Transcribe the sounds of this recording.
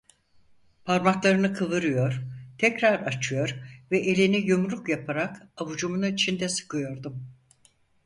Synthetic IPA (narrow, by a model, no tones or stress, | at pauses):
pʰaɾmaklˠaɾɯnɯkʰɯvɯɾɯjo̞ɾ̥t̪ʰɛcɾaɾat͡ʃʰɯjo̞ɾvɛʔelʲinijumɾukjapʰaɾakavud͡ʒumunait͡ʃʰind̪ɛsɯ̥kɯjo̞ɾd̪um